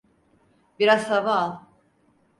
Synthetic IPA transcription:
biɾazhavalˠ

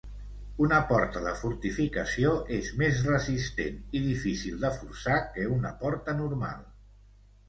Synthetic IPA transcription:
unəpɔɾt̪əðəfuɾt̪ifikəsioʔezmezrəzist̪eniðifisilˠd̪əfuɾsakəunəpɔɾt̪ənuɾma̰lˠ

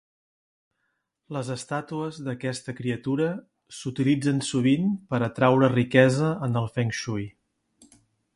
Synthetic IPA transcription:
ləzəst̪at̪uəzðəkɛst̪əkɾiət̪uɾə | sut̪ilid͡zənsuβ̞inpəɾət̪ɾawɾərikɛzəənəlˠfɛŋʃuj

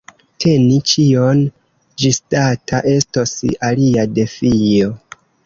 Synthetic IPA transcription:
tʰe̞nit͡ʃio̞n | d͡ʒistatʰaʔe̞stosaliade̞fijo̞

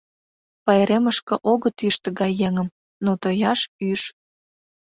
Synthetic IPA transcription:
pɑeɾeməʃkə̆ʔoɣət̪yʃt̪ə̆ɣɑjːeŋəm | not̪ojɑʃyʃ

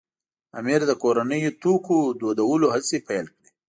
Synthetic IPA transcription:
a̰miɾd̪əkoɾanəjot̪ukod̪od̪awəloɦasepajlkɽi

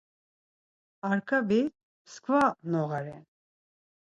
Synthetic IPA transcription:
aɾkʰavi | skʰʼvanɔʁaɾɛn

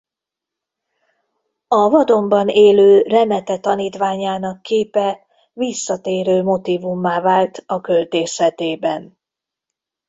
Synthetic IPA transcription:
ɒvɒd̪o̞mbɒneːløːrɛmɛt̪ɛt̪ɒniːt̪ʋaːɲaːnɒkːeːpɛ | visːɒt̪eːɾøːmo̞t̪ivumːaːvaːlt̪ɒkølt̪eːʃɛt̪eːbɛn

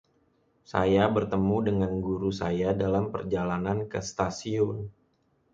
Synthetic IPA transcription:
sa̰jabərt̪əmudəŋanɡuɾusajadalampərd͡ʒalanankə̰st̪asiʊn

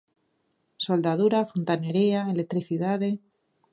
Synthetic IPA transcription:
so̞ld̪aðuɾafont̪aneɾiaelet̪ɾiθiðaðe

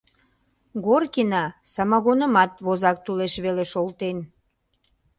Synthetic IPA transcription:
ɣorkinɑsɑmɑɣonə̆mɑt̪βozɑk̚t̪uleʃβeleʃolt̪en

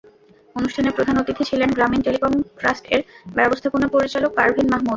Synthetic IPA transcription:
onuʃʈʰanepɾod̪ʱanot̪it̪ʰet͡ɕʰilenɡɾaminʈelikomkɾasʈḛɾbɛbost̪ʰakunopoɾit͡ɕalok̚kaɾbʱinmaɦmud̪

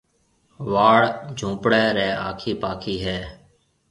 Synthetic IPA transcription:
ʋaːɽd͡ʒʱũːpɽɛːɾɛːa̰ːkʰiːpaːkʰiːɦɛː

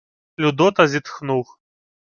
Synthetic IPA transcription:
lʲud̪ɔt̪ɐzʲit̪xnux

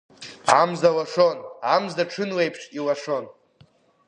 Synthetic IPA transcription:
amzawaʂonamzaʈ͡ʂʰɨnwejpʰʂiwaʂo̞n

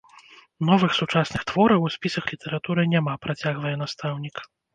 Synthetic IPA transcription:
nɔvɨxsut͡ʂasnɨxt̪v̥ɔɾɐxwusʲpʲisɐxlʲit̪ɛɾat̪uɾɨnʲamapɾat͡sʲaɣvɐjɛnast̪awnʲik

